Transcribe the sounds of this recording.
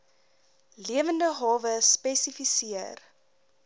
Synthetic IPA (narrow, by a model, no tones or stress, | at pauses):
liəvəndəɦɑːvəspɛsifisiər